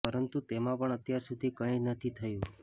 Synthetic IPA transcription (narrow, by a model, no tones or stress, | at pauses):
pəɾənt̪ut̪emãpəɳət̪jaɾsud̪ʱikəĩnət̪ʰit̪ʰəjũ